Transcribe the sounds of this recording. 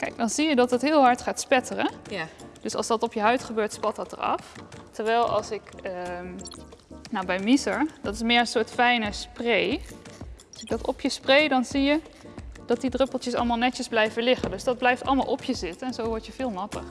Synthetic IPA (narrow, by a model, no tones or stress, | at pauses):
kɛjɡ̚dɑnzijədɑtdətɦɪːlˠɦɑɹtχaːtspɛtərə | d̥ɵsɑ̰lˠsdɑtɔpjəɦœɥtχəbøːɹtspɑt̚ɑtə̰ɹɑ̰ftəɹʋɛjlˠɑ̰lˠsɪkə | nawbɛjmisəɹdɑtɪsmɪːɹənsʊːɹtfɛjnəsprej | lsɪɡ̚dɑtɔpjəsprejdɑnzijə | d̥ɑt̚didrøpəlˠtjəsɑ̰lˠmalˠnɛtəzblɛjvəlɪχəndɵsdɑd̚blɛjftɑ̰lˠəma̰lˠɔpʰjəzɪtənɛnzowʋɔɹtjəv̥ɪːlˠmɑtə̰χ